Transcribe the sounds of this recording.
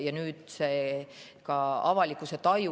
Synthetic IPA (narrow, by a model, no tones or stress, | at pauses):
jɑnyːd̪̥seː | kɑɑ̰vɑlikːˑuset̪ɑju